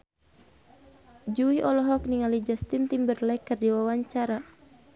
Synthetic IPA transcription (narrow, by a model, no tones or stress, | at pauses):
d͡ʒuiʔɔlɔɦɔk̚niŋalid͡ʒast̪int̪imbərlɛkːərdiwawaɲt͡ʃaɾa